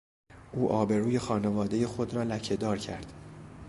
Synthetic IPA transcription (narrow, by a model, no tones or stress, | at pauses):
ʔuːʔɒːbe̞ɾuːje̞xɒːne̞vɒːd̪e̞je̞xo̞d̪ɾɒːlæcʰe̞d̪ɒːɾcʰæɾd̪̥